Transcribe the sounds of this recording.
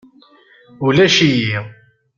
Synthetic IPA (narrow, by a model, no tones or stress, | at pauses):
ulæʃiji